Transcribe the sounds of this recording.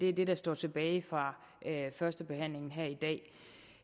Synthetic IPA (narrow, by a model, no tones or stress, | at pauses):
d̥e̝æɐd̥e̝ɾ̥ɑ̈sd̥ɒ̰ːt͡sʰe̝b̥ɛːfʁɑ̈ | fɶɐsd̥əb̥e̝hæn̰le̝ŋn̩ɦæɐ̰id̥ɛ̰ː